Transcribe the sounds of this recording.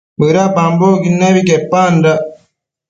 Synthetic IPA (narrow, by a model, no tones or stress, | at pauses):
bəɾabamboɡinːabikepːanda